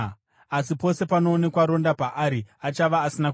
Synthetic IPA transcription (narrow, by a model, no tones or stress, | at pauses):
as̬ipo̞se̞pano̞ːne̞kwaɾo̞ndapaʔaɾiat͡ʃaʋaːsinak